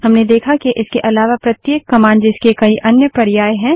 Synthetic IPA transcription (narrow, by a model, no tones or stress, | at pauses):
ɦɐmned̪eːkʰakiʔɪskeʔɐlaːʋapɾɐt̪jeːkːɐmãːnd͡ʒɪskekɐiʔɐnjəpɐɾjaːeɦɛ̃ː